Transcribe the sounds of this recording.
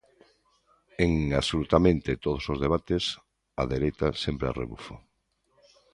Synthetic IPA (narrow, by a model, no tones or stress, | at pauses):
eŋasolut̪amẽnt̪et̪oð̞osozðeβ̞at̪es | a̰ðeɾejt̪asempɾea̰rḛβṵfo